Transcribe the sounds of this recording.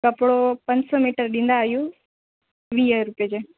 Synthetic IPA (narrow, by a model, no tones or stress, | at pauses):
kɐpɽopɐ̃ɲd͡ʑsɔmiːʈəɾɗĩːn̆d̪aːɦijũ | ʋiːjəɾʊpjəd͡ʑeː